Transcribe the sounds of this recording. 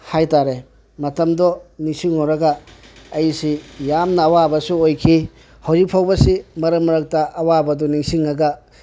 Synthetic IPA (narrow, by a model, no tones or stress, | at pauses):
hajtaɾe | mɐtɐmdɔniŋsiŋoɾɐɡaːjsijamnɐːwabɐsuojkʰi | hawzik̚pʰawbɐsimɐɾɐmɐɾɐk̚taʔɐwabɐdɔniŋsiŋːɐɡɐ